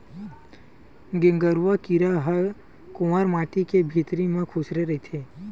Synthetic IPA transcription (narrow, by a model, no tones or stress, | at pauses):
ɡẽŋɡəɾʋakiɾaɦə | kʊməɾmaːʈikebʱiːt̪ɾimẽkʰʊʃɾeɾɐɦit̪ʰeː